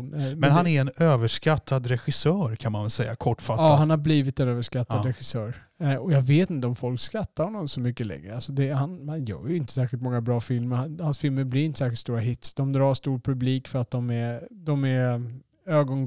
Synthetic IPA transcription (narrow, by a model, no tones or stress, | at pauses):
nmɛnɦaɛɾɛnøːvəʂkat̪ʰːad̪ɾɛɧɪsœːɾkʰanmanvɛlsɛjːakʰɔʈːfat̪ːahanhaɾbliːvɪt̪ɛnøːvəʂkat̪ːaɾɛɧɪsœːɾ | ɔjɑːveːt̪ɪnt̪əɔmfɔlkskɾat̪ːaɾhɔnːɔmsɔmʏkːəlɛ̰ŋːɾəasɔd̪ɛhanhanjœ̰ːɾjʏɪnt̪ə̥sæːɾɧɪlt̪mɔŋːabɾɑːfɪlməɾhanhansfɪlməɾblɪɾɪnt̪ə̥sæːxɪlst̪uːɾaɦɪt̪sd̪ɔmd̪ɾɑːʂt̪uːɾpʰɵbliːkfœɾat̪̚d̪ɔmɛɾd̪ɔmɛɾ | øːɡɔn